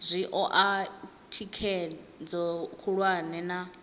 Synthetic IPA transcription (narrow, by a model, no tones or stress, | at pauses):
zʷiʔɔʔa | tʰikʰɛ | d͡zɔkʰuɺwanɛna